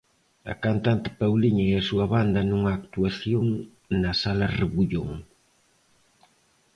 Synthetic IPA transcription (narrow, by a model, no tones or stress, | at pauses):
ɐ̰kant̪ant̪ɪ̥pawliɲɐeɐsuɐβand̪ɐnuŋaːkt̪uaθjoŋ | nɐsalɐreβuʎoŋ